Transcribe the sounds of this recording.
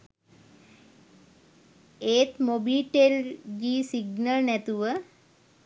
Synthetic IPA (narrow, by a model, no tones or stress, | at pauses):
eːt̪mobiːʈeld͡ʒiːsiɡnəlnet̪uʋə